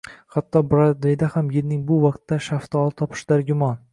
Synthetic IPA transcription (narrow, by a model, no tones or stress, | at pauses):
hat̪ʰːɒbɾad̪ɾid̪ahamjeɾnɪŋbʊvɒq̚t̪ːaʃaft̪ɒlˠt̪ʰɒpʰɪ̥ʃd̪aɾɡʲʊmɒn